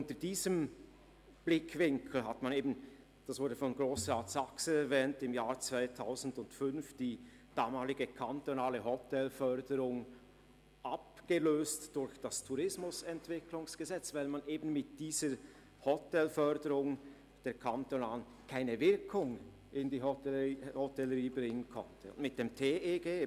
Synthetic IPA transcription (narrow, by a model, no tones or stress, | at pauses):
ʔʊntəd̥iːzəm | b̥lɪkʰv̥ɪŋkʰl̩ɦatmaneːbn̩ | d̥asv̥ʊɐdəfɔnɡʁoːsʁaːtsaksn̩ɛɾvɛːntɪmjaːʁt͡sv̥aɪtʰaʊzn̩dʊntfʏnfd̥iː | d̥aːmaːlɪɡəkʰantonaːləɦɔtʰɛlfœʁdəʁʊŋ | ʔapɡ̥əløːstd̥ʊɾçd̥astʰuʁɪsmʊsɛntv̥ɪklʊŋsɡ̥əzɛt͡svaɪlmanʔeːbn̩mɪt̚d̥iːz̥ə | hɔtɛlfœʁdəʁʊŋ | d̥eːɐkʰantonaːn | kʰaɪnəvɪɐkʰʊŋ | ʔɪndiːoihɔtɛləʁiːbʁɪŋənkʰɔ̰ntʰəʊ̰ndmɪt̚d̥eːmtʰeːʔeːɡeː